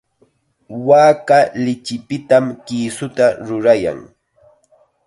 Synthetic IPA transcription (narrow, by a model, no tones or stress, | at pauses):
waːkalɪt͡ʃɪpɪt̪amkiːsʊt̪aɾʊɾaja̰ŋ